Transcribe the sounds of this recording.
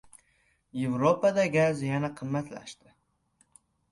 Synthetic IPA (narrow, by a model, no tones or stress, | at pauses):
jevɾopad̪aɡʲazjanaqʰɨmːat̪la̰ʃt̪ɪ